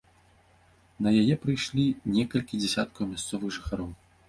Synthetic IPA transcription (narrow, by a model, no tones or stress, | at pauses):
nɐjajɛpɾɨjʂlʲinʲɛkɐlʲkʲid͡zʲɛsʲat̪kɐwmʲast̪sɔvɨxʐɨxaɾɔw